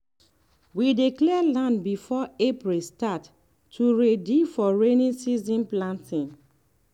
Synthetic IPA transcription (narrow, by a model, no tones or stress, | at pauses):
widiklɛlãndbifɔepɹistatːʰ | uɹedifɔɹenĩsizĩnplãntʰĩŋ